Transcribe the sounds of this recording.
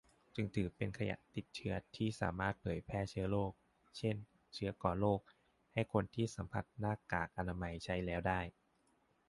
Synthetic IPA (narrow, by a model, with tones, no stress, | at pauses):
t͡ɕɯ˧ŋt̪ʰɯː˩˦pe˧nkʰa˧ja̰˨˩ʔt̪i˨˩t̪̚t͡ɕʰɯ˦˥ɐt̪ʰiː˥˩sa̰ː˩˦maː˥˩t̪̚pʰɤː˩˦jpʰɛː˥˩t͡ɕʰɯ˦˥ɐloː˥˩k̚ | t͡ɕʰe˥˩n | t͡ɕʰɯ˦˥ɐkɔː˨˩nloː˥˩k̚ | ha˥˩jkʰo˧nt̪ʰiː˥˩sa˩˦mpʰa˧˩t̪̚naː˥˩kaː˨˩k̚ʔa˧naː˧ma˧jt͡ɕʰa˦˥jlɛː˦˥wdaː˥˩j